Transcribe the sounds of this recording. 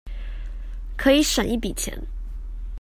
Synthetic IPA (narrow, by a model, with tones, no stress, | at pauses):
kʰɤ˧˥i˧˥ʂə˨˩ni˥˩pi˨˩t͡ɕʰjɛ̰˧˥n